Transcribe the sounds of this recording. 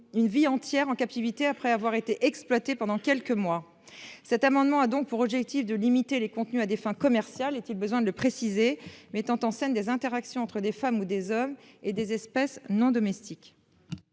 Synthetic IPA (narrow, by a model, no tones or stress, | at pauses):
ynviɑ̃t̪jɛʁɑ̃kap̚t̪ivit̪eapχɛavwaʁet̪eʔɛksplwat̪epɑ̃d̪ɑ̃kʲɛlkəmwa | sɛt̪amɑ̃d̪mɑ̃ad̪ɔ̃k̚puʁɔbʒɛk̚t̪ifd̪əlimit̪elekɔ̃t̪nyad̪efɛ̃kɔmɛʁsjalet̪ilbəzwɛ̃d̪ələpχesizemɛt̪ɑ̃t̪ɑ̃sɛnd̪ezɛ̃t̪eʁaksjɔ̃ɑ̃t̪χəd̪efamud̪ezɔmed̪ezɛspɛsnɔ̃d̪ɔmɛst̪ik